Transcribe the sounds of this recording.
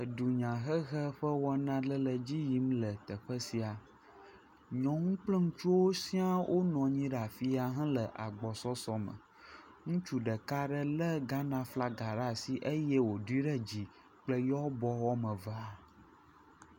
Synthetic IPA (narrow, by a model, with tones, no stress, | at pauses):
ə˨du˨ɲã˨ɦə˦ɣə˦ɸə˦wɔ˦nã˦lə˦lə˨d͡ʑi˦ji˦mlə˨t̪ə˨ɸə˦si˨a˨ | ɲɔ̃˨ŋũ˦k͡plə˦ŋũ˦t͡ʃu˦wo˦si˦a˦wʔo˦nɔ̃˨ɲĩ˦ɖa˨fi˦a˨ɦɛ̃˦lə˨ʔa˨ɡ͡bɔ˨sɔ˦sɔ˦mə̰˨ | ŋũ˦t͡ʃu˨ɖə˨ka˦ɖə˦lə˦ɡa˦nã˦fla˦ɡa˨ɖa˦˨si˦ʔe˦jɛ˦wo˨du˦i˦ɖə˦d͡ʑi˨ | k͡plə˦jɔ˦bɔ˦wɔ˦mə̃˨va˦